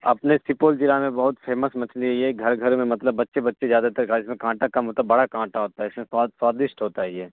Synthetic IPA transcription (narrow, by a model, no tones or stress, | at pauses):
ɐ̰pnesɪpoːlt͡ʃɪɾamẽbɐɦʊt̪fʰeːməsmɐt͡ʃʰnijɛɡʱɐɾɡʱɐɾomẽmɐt̪ləbːɐtːʃebɐtːʃezjaːd̪at̪ɐɾkaɪsmẽkãːʈakɐmɦoːt̪abɐɽakãːʈaɦoːt̪aɦɛɪsmẽsaswaːd̪ɪʃʈɦoːt̪aɦɛjɛː